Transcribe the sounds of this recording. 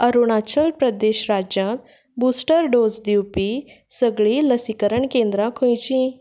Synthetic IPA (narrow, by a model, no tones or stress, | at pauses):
əɾuɳ̃at͡ɕəlpɾəd̪eɕɾad͡ʑjãt̪ | buːsʈəɾɖod͡zd̪iwpi | səɡɭiləsikəɾəɳkẽnd̪ɾãkʰõjt͡ɕĩ